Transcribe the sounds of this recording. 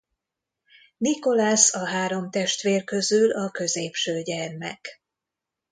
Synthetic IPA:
niko̞lasɒɦaːɾo̞mt̪ɛʃt̪ʋeːrkø̞zylɒkø̞zeːpʃøːɟɛrmɛ̰k

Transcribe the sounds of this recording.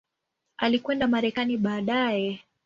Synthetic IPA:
alikwɛndamaɾɛkaniɓaːɗajɛ

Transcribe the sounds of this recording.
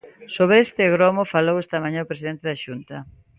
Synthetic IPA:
soβɾeest̪ɪɣɾomofalowest̪ɐmaɲaopɾesiðent̪eðaʃunt̪ɐ

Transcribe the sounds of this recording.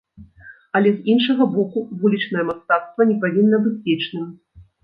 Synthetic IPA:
ɐlʲɛzinʂɐɣɐbɔkuvulʲit͡ʂnɐjɛmast̪at̪st̪vɐnʲɛpavʲinːɐbɨt͡sːʲɛt͡ʂnɨm

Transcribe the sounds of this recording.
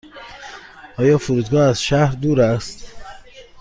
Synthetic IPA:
ʔɒːjɒːfuɾuːd̪ɡɒːæzʃæhɾd̪uːɾæst̪

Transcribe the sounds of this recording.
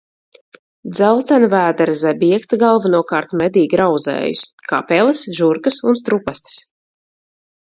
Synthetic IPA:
d̪zɛlˠt̪anvæːd̪aɾzabiɛkst̪aɡalˠvanuɔkaːɾt̪mʲɛd̪iːɡʲɾawd̪zɛ̰ːjṵska̰pɛlˠɨsʒuɾkɨsunst̪ɾupast̪ɨ̥s

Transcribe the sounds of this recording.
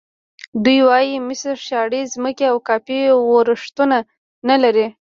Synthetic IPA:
d̪ujwɑjimɪsɾʃjɑɽezməkeawkɑpiwoɾəʂt̪una | nalaɾi

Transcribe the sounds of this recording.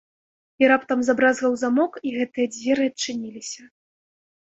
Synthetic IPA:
iɾapt̪ɐmzabɾazvɐwzamɔkiɣɛt̪ɨjɐd͡zʲvʲɛɾɨɐt͡ʂːɨnʲilʲisʲɐ

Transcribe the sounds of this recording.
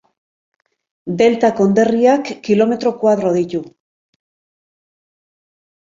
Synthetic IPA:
d̪e̞lt̪ako̞nd̪e̞riakːilo̞me̞t̪ɾo̞kwaðɾo̞ðit̪u

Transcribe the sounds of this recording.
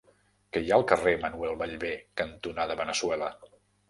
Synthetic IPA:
kəjaəlˠkəremənuɛlˠβəʎβekənt̪unaðəβənəswɛlə

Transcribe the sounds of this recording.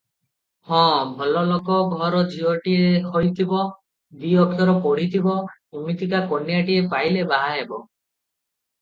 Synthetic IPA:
hɔ̃bʱɔlɔlokɔɡʱɔɾɔd͡ʒiɔʈiekʰojt̪ʰibɔ | biɔkʰjɔɾɔpɔɽit̪ʰibɔumit̪ikakonːijaʈiepajlebaɦaɦebɔ

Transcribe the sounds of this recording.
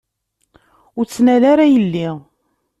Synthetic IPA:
ʊɾt͡sːnælaɾajəlːi

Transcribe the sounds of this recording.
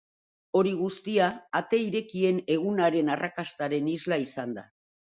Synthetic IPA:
o̞ɾiɣ̞ust̪iaːt̪e̞iɾe̞kie̞ne̞ɣ̞unaɾe̞narakast̪aɾe̞nizlaisand̪a̰

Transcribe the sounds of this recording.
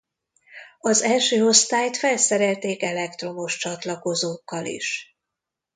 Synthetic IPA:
ɒzɛlʃøːo̞st̪aːjt̪fɛlsɛɾɛlt̪eːkɛlɛkt̪ro̞moʃt͡ʃɒt̪lɒko̞zoːkːɒlḭʃ

